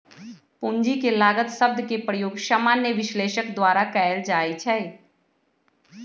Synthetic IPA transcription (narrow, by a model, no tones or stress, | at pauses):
puɲd͡ʒikelaːɡət̪sɐb̚d̪kepɾəjoːɡʃaːmaːnjəʋɪʃleːʃəkd̪waːɾakɛjəld͡ʒaːit͡ʃʰɛ